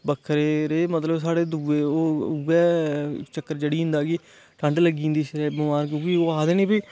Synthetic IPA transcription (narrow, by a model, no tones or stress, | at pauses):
bəkʰːəɾeːɾeːmət̪ləbs̬aːɽeːd̪uːʋeːoːuːɛːt͡ʃəkːəɾd͡ʒeːɽiːʊ̃nd̪aːɡiː | ʈʰəɳɖləɡĩːnd̪iːʃɾɛːbəmaːɾkubiːoːaːd̪eːnẽːbiː